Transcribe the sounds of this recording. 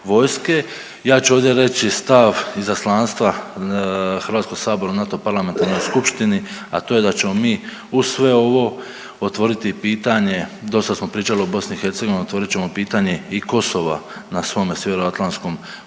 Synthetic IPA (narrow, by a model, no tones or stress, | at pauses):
ʋo̞jske̞ | jaːt͡ʃuoʋd̪je̞ɾe̞t͡ɕist̪aʋizaslˠaːnst̪ʋa | xəɾʋaːt̪sko̞ɡ̥saːbo̞ɾaunat̪opaɾlˠament̪aɾno̞jskupʃt̪iniat̪o̞ːje̞d̪at͡ɕe̞mo̞miː | usʋe̞o̞ʋo̞ | ot̪ʋo̞ɾit̪ipiːt̪aɲe̞d̪o̞st̪asmo̞pɾiːt͡ʃaliobo̞sniːxe̞ɾt̪seɡoʋiniot̪oɾit̪t͡ɕe̞mo̞piːt̪aɲe̞iko̞so̞ʋa̰nasʋo̞meseʋeɾoat̪lˠansko̞m